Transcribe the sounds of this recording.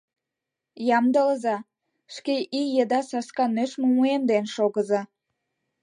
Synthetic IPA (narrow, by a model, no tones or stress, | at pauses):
jɑmd̪ələzɑ | ʃkeʔijed̪ɑsɑskɑnøʃmumuemnd̪enʃoɣəzɑ